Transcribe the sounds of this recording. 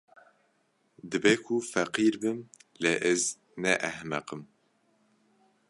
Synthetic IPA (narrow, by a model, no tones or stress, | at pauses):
d̪ɨbeːkʰufɛqiːɾbɨmleʔɛz | nɛʔɛhmɛqɨm